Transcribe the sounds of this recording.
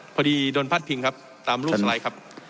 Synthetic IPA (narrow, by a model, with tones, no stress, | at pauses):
pʰɔː˧diː˧doː˧npʰaː˥˩t̪̚pʰi˧ŋkʰa˦˥p̚ | t̪aː˧mɾu˥˩sa˧la˧˥jkʰa˦˥p̚